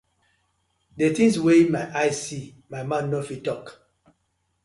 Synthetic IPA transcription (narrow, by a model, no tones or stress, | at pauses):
detĩswemajʔaɪsi | maɪmãnnːofitɔk